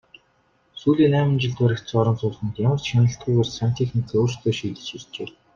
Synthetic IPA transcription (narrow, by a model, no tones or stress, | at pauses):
suːɮiːnæːmə̆nt͡ɕɪ̆ɮt̪wæɾʲɘ̆kt̪sɔɾɞ̆nt͡sʊːɮə̆nt̪jamə̆rt͡ɕʃanə̆ɬt̪̚ɡujparan̥t̪ʰixnikʰeoːr̥st̪ʰeːʃiːt̪ɘ̆t͡ɕxist͡ɕḛː